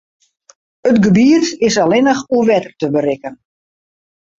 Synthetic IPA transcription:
ətɡəbiətɪsalɪnəxuəʋɛtərtəbərɪkən

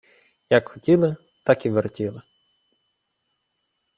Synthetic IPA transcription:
jɐkxɔtʲilˠɪ | t̪ɑkiʋertʲilˠɪ

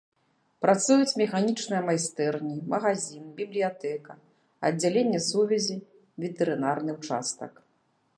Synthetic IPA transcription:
pɾat̪sujut͡sʲmʲɛxanʲit͡ʂnɨjɐmajst̪ɛrnʲimɐɣazʲinbʲiblʲijat̪ɛkɐ | ɐdd͡zʲːalʲenʲːɛsuvʲɛzʲi | vʲɛt̪ɛɾɨnarnɨwt͡ʂa̰st̪ɐ̰k

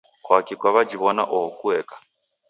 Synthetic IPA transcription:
kwakikwaβad͡ʒiβɔna̰ʔɔɔkʼuɛːkʼḁ

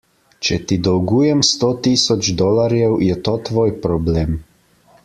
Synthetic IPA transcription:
t͡ʃɛt̪id̪ɔwɡuːjɛmst̪ot̪isɔd͡ʒd̪ɔːlaɾjɛwjɛt̪oːt̪ʋoːjpɾɔbleːm

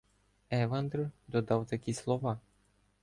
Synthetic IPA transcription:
ɛʋand̪rd̪ɔd̪ɑwt̪ɐkʲislˠɔʋɑ

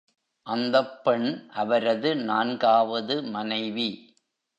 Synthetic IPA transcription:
ʔɐnd̪ɐpːɛɳʔɐʋɐɾɐðɯnaːnɡaːʋɐðɯmɐnɐɪʋi

